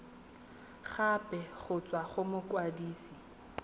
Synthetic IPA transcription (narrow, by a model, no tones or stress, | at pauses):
χapʼɛχʊt͡sʼwaχʊmʊkwadiːsi